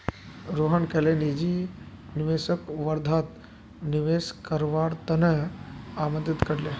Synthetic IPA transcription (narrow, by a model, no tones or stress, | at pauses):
ɾoːɦəɳkelenid͡ʒi | niʋeːsəkʋɐɾd̪ʱaːt̪ | niʋeːskəɾʋaːɽt̪ɐnəaːmənd̪it̪kɐɽle